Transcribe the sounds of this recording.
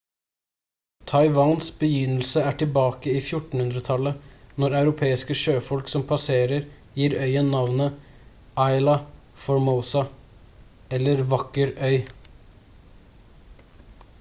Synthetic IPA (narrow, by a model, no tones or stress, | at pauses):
t̪ʰɑɪʋɑːnsbəjʏnəl̩səæːʈʰɪlbɑːkəiːfjʊʈɳ̩hʉnd̪ɾət̪ʰɑlənɔɾɑʉɾʊpʰeːɪskəʃøːfɔlksɔmpʰɑseːɾəɾ | jiːɾœʏənːɑʋnə | ʔɑɪlɑ | fɔɹməʊsɑ | ɛlːəɾʋɑkəɾœʏ